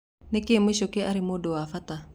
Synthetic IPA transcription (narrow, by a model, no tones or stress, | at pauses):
nekeemweʃokeʔaɾemodowafata